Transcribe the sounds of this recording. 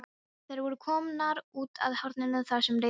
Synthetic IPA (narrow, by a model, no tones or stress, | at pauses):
θejɾvɔɾʏkʰɔːmnaɾuːt̪a̰ðhawɾt̪nɪnʏθaɾ̥sɛmɾre